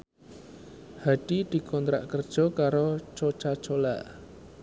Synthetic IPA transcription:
haɖ̥id̪̥i̤kʰɔnt̪ɾa̰ʔkərd̥ʒ̥ɔ̤kaɾot͡ʃot͡ʃat͡ʃola̰ʔ

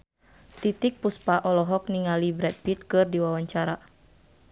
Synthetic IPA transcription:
t̪it̪ik̚puspaʔɔlɔɦɔk̚niŋalibɾɛt̪̚bit̪̚kɨrdiwawaɲt͡ʃaɾa

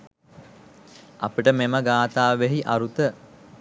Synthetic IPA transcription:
a̰piʈəmeməɡaːt̪aːʋeɦiʔaɾut̪ə

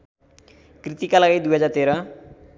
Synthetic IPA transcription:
krit̪ikalaɡid̪ujɦʌd͡zart̪eɾʌ

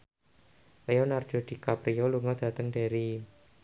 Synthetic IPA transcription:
leɔnard͡ʒ̥ɔ̤d̥i̤kapɾiɔluŋɔd̪̥a̤t̪əŋd̥aɾi

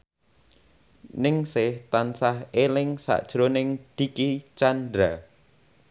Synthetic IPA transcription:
nɪŋsɪht̪ansahelɪŋsa̰ʔd̥ʒ̥ɾonɪŋd̪̥i̤kit͡ʃand̪ɾa

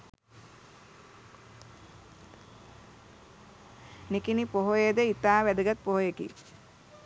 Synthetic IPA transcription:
nikinipoɦojed̪əit̪aːʋæd̪əɡat̪̚poɦojekḭ

